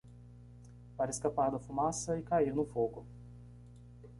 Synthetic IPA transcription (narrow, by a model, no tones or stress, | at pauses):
paɾɪskapaɾd̪ɐfumasɐikainʊfoɡʊ